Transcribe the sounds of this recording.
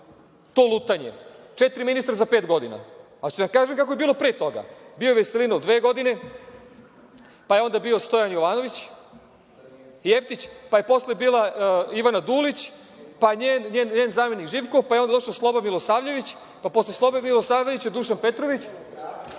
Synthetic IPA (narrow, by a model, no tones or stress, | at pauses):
t̪o̞ːlˠut̪aɲḛ | t͡ʃet̪ɾiminist̪ɾazape̞ːt̪ɡo̞d̪ina̰ | at͡ɕuamkaːʒemkakojebiːlˠo̞pɾeːt̪o̞ɡa̰biojʋeselinod̪ʋeːɡo̞d̪ine̞ | pajeo̞nd̪abio̞st̪o̞janjoʋaːno̞ʋit͡ɕ | jeft̪it͡ɕpaje̞po̞sle̞biːlˠaiʋanad̪ulit͡ɕ | paɲeːnɲeːnɲeːnzaːme̞nikʒiːʋkoʋpajeond̪ad̪o̞ʃaslˠo̞bamilosaːʋʎe̞ʋit͡ɕ | paposleslˠo̞bemilosaːvʎeʋit͡ɕad̪uʃanpe̞t̪ɾoʋit͡ɕ